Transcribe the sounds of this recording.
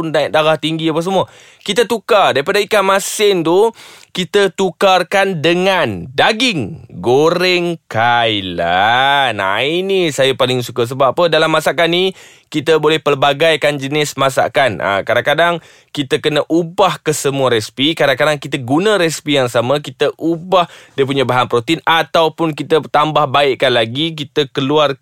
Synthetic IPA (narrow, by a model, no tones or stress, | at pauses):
ndaʔ̚daɡaht̪iŋɡiapəs̬əmuə | kit̪ət̪ukardaɾipadaikamasɪnt̪ukit̪ət̪ukarkandəŋandaɡɪŋɡoɾɛŋkajlana̰inisajapalɪŋsukas̬əbaapədalamːasaʔkani | kit̪əbolɛhpəlbaɡajkand͡ʒənɪsmasa̰ʔkanʔə̰kadaŋkadaŋ | kit̪əkənəʔubahkəsəmuaɾɛspikadaŋkadaŋkit̪əɡunə̃ɾɛspijaŋsamə̃kit̪əʔubahdiəp̬uɲãbaɦanpɾot̪inat̪awpʊnkit̪ət̪ambahbaiʔkanlaɡik̬it̪əkəluar